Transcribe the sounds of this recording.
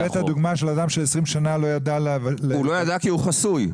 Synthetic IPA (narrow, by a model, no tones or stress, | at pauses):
etad̪uɡmaʃelad̪amʃelesʁimʃanalo̞jad̪alvleulojad̪akiuχasuj